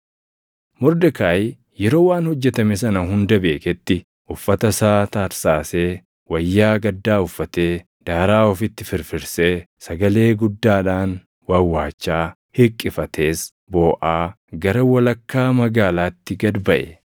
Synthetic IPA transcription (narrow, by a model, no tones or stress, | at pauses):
mʊɾd̪ɐkaːj | jɛɾo̞ːwaːnhɔd͡ʒːɛt̪ɐmis̬ɐnɐɦʊnd̪ɐbe̞ːkɛt̪ːɪ | ʔʊfːɐt̪ɐsaːt̪aːɾsaːseː | wɐjːaːɡɐd̪ːaːʊfːɐt̪eː | d̪̥aːɾaːɔfɪt̪ːɪfɪɾfɪɾseː | sɐɡɐle̞ːɡʊd̪ːaːᶑaːn | wɐwːaːt͡ʃːaː | hɪkʼːɪfɐt̪ʰe̞ːs | boːʔaː | ɡɐɾɐwɐlɐkːaːmɐɡaːlaːt̪ːɪɡɐd̪bɐʔɛ̰